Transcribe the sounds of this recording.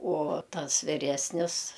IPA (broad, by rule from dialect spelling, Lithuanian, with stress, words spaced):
uɔ ˈtɐs ʋʲɪˈrʲæːsʲnʲɪs